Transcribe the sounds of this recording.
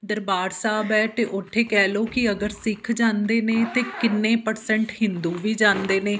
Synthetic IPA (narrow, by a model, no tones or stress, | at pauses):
d̪əɾbaːɾsaːbɛːt̪eːʔʊʈʰːeːkɛːloːkɪəɡəɾsɪkʰd͡ʒãːnd̪eːnẽːt̪eːkɪnːẽːpəɾsɛ̃ɳʈhɪnd̪uːʋiːd͡ʒãːnd̪eːnẽː